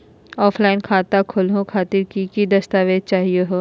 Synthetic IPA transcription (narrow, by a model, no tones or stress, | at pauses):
ɔːflaːɪnkʰaːt̪akʰʊlɦõkʰaːt̪ɪɾkikid̪ɐst̪aːʋed̪̚t͡ʃaːɦieɦoː